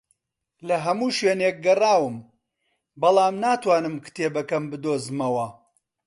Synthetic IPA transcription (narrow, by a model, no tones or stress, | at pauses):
lɐɦɐmuːʃweːnek̚ɡɐraːwɨm | bɐlˠaːmnaːt̪waːnɨmkɨ̥t̪eːbɐkɐmbɨd̪oːzɨmɐwɐ